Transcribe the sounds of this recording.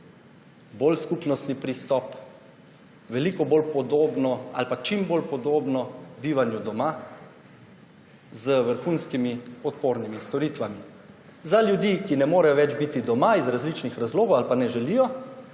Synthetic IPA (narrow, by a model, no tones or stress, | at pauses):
bolskupnɔst̪nipɾist̪ɔp | ʋɛlikɔbolpɔd̪oːbnɔa̰lpat͡ʃimbolpɔd̪oːbnɔbiːʋanjud̪ɔma | zəʋəɾxunskimiɔt̪poːɾnimist̪ɔɾiːt̪ʋami | zalʲjud̪iːkinɛmoːɾɛjɔʋɛd͡ʒbit̪id̪ɔmaizɾazlit͡ʃnixɾazloːɡɔwalpanɛʒɛlijɔ